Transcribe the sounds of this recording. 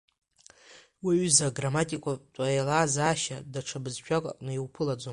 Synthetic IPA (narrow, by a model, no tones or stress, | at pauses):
wiʕzaɡramatʼikʷʼatʼajlaːzaːʃadaʈ͡ʂʰabɨzʃᶣʰʼakʷʼa̰kʼnɨiwpʰɨlad͡zom